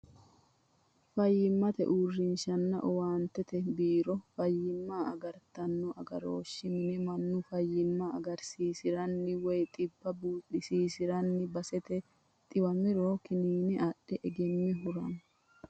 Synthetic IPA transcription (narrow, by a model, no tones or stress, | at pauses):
fɐjːɪmːɐt̪ɛ̰ʔuːrːɪnʃɐnːɐ̰ʔɔwaːnt̪ɛt̪ɛbiːɾɔfɐjːɪmːaːɐɡɐɾt̪ɐnːɔʔɐɡɐ̰ɾo̰ːʃːɪmɪnɛmɐnːʊfɐjːɪmːɐɐɡɐɾsiːsɪɾɐnːɪwɔjt̪ʼɪbːɐbuːᶑːɪsiːsɪɾɐnːɪbɐsɛt̪ɛ | t̪ʼɪbɐmɪɾoːkɪniːnɛɐɗɛʔɛɡɛmːɪɦʊɾɐn